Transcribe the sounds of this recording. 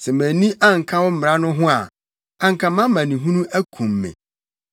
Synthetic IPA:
sɛ˨mæ̃˨nĩ˦ʔa˦ŋ̩˨kʰa˦wɔ˦m̩˦˨ɾa˦nʊ̃˦ɦʊ̃˦a̰˨ | ã˨ŋ̩kʰã˨mã˦mã˨nĩ˨ɦũ˦nũ˦ʔæ˦kʰũ˨mːɛ̰̃˨

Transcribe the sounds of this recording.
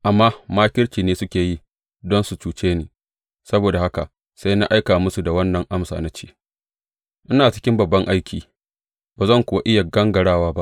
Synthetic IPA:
ʔa˨mːaː˦maː˦kʲɪ˦ɽt͡ʃʲiː˨neː˦sʊ˦kʲeː˨ji˦ | dɔ˦nsu˨t͡ʃuː˨t͡ʃeː˦neː˨ | sɐ˦boː˨da˨ha˦ka˨ | sa˦jna̰˦ʔa˦jkaː˨mʊ˦su˨da˨wɐ˦nːɐ˨ŋʔa˦msa̰ː˨na˦t͡ʃe̥ː˦ | ʔɪ˦naː˨t͡ʃɪ̥˦kʲɪ˦mbɐ˨bːɐ˦ŋʔa˦jkʲiː˨ | baː˨zɐ˦ŋkʷʊ˨wa˦ʔɪ˦ja˨ɡɐ˦ŋɡɐ˨ɽaː˦waː˦ba˦ʔ

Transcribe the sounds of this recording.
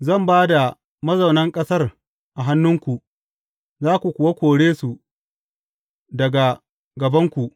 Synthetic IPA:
zɐ˦˨mbaː˦da˨ | mɐ˦zɐ˨wnɐ˦ŋkʼɐ˦sɐ˦r | ʔa˨ɦa˦nːʊ˦ŋkʷu˨ʔ | zaː˦kʷu˨kʷʊ˨wa˦kʷoː˨ɽeː˦su˨ʔ | dɐ˨ɡa˨ | ɡɐ˨bɐ˦ŋkʷu˨ʔ

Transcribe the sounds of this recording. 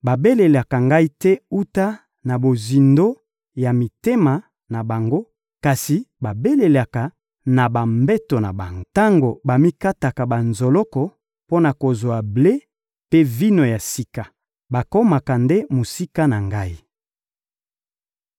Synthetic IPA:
ba˨be˦le˨la˨ka˨ŋɡa˦i˦tɛ˦u˦ta˦ | na˨bo˨zi˨ndo˦ | ja˨mi˨te˦ma˨ | na˨ba˨ŋɡo˦ | ka˨si˨ba˨be˦le˨la˨ka˨ | na˨ba˨mbɛ˦to˨na̰˨ba˨ŋɡo˦ta˦ŋɡo˨ba˨mi˦ka˦ta˨ka˨ba˨nzo˨lɔ˦kɔ˨ | po˦na˨ko˨zwa˨ble˦ | pe˦vi˦no˨ja˨si˦ka˨ | ba˨ko˦ma˨ka˨nde˦mo˨si˦ka˦na˨ŋɡa˦i˦

